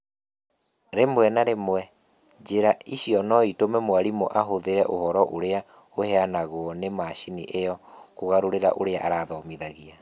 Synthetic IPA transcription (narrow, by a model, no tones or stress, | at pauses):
ɾemwɛnaɾemwɛ | d͡ʒeɾaiɕiɔnɔitomɛmoaɾimoʔaɦoðeɾɛʔohɔɾɔʔoɾea | oheanaɣoɔnemaʃiniʔejɔkoɣaɾoɾeɾa̰ʔoɾeaʔaɾaːðɔmiðaɣia